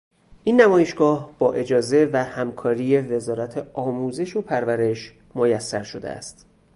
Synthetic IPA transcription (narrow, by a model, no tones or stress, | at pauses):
ʔiːnːæmɒːjeʃɡ̥ɒːhb̥ɒːʔe̞d͡ʒɒːze̞væhæmkʰɒːɾije̞ve̞zɒːɾæt̪ʰeɒːmuːze̞ʃopʰæɾvæɾe̞ʃ | mojæsːæɾʃo̞d̪ḛæ̰st̪